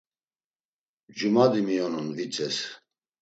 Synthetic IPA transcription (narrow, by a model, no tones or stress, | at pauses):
d͡ʒumad̪imijɔnunvit͡sʼɛs